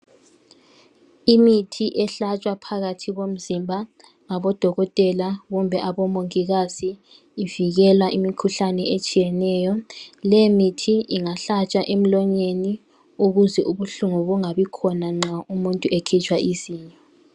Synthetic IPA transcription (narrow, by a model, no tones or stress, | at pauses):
imitʰiʔɛɬat͡ʃʼwapʰaɣatʰiɣom̩zimbʱa | ŋaβɔd̥ʱɔɣɔtʼɛlaɣumbʱɛʔaβɔmoŋiɣaziː | viɣɛlwaʔimikʰuɬanɛet͡ʃʼijɛnɛːjɔlɛmitʰiʔiŋaɬat͡ʃʼaʔem̩lɔɲeni | uɣuzɛʔuβuɬuŋuβuŋaβikʰɔnaŋ͡ǁaumuntʼuʔekʰit͡ʃʰʼwaʔiziːɲɛ